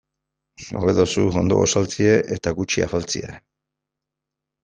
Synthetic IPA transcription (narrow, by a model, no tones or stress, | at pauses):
soɾeðosuɣo̰nd̪oɣo̰salt͡sieʔet̪aɣut͡ʃia̰falt͡sḭḛ